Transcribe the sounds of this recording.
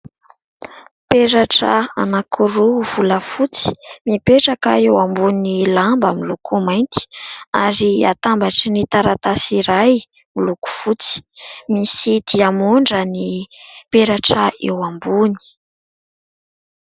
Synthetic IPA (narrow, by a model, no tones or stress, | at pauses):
peɾaʈ͡ʂəa̰nakʰuɾuv̥uləfut͡si̥mipeʈ͡ʂakə̰ewambunilambəmilukʰumajnt̪i̥aɾia̰t̪ambaʈ͡ʂinit̪aɾat̪asiɾaj | miluku̥fut͡si̥misid̪̥iamuɳɖ͡ʐənipeɾaʈ͡ʂəḛwambuni̥